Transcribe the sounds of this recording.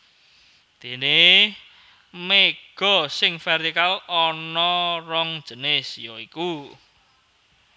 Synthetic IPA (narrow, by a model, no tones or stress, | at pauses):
d̪̥e̤ne | meɡ̥ɔ̤sɪŋfɛrt̪ikalɔnɔrɔŋ̥d͡ʒ̥ə̤nɪsjɔiku